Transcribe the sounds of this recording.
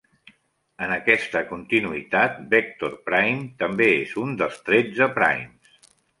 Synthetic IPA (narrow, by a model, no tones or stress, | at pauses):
ənəkɛst̪əkunt̪inuit̪at̪̚bɛk̚t̪orpɾajmt̪əmbeezund̪əlˠst̪ɾɛd͡zəpɾa̰jms